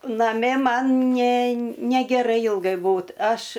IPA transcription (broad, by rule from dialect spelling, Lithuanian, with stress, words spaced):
nɐˈmʲɪ ˈmɐn nʲɛ nʲɛɡʲɛˈrɐɪ ˈɪlˠɡɐɪ ˈbuːt ˈɐʃ